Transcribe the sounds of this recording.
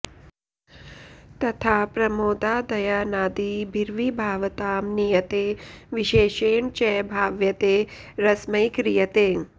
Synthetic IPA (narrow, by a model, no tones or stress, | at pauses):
t̪ɐt̪ʰaːpɾɐmoːd̪aːd̪ɐjaːnaːd̪ibʱiɾʋibʱaːʋɐt̪aːmnijɐt̪eːʋiʃeːʃeːɳt͡ʃɛbʱaːʋjɐt̪eːɾɐsmɐjkɾijɐt̪eː